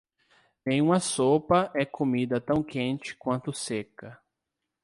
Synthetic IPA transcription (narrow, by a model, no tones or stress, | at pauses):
nẽj̃ũmɐsopɐʔɛkomid̪ɐt̪ɐ̃w̃kẽnt͡ʃɪ̥kwɐ̃nt̪ʊsekɐ